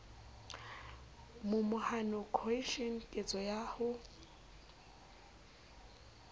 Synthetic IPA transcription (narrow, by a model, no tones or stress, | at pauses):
mʊmʊhanɔkʰɔiʃɔn̩kʼet͡sʼɔjaːhʊ